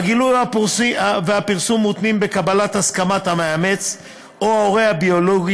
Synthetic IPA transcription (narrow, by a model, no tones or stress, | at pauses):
aɡilujapveapiʁsumːut̪nimbe̞kabalat̪askamat̪hameame̞t͡s | oaoʁe̞jhabio̞lo̞ɡi